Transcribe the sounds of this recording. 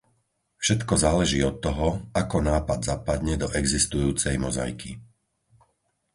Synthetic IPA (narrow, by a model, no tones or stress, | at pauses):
fʃɛt̪kɔzaːlɛʒiːɔt̪ːɔɦɔakɔnaːpad̪zapad̪ɲɛd̪ɔʔɛɡzist̪ujuːt͡sɛjmɔza̰jkʰi